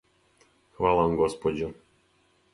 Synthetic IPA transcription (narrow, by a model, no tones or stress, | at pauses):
xʋalˠamɡɔspɔd͡ʒɛ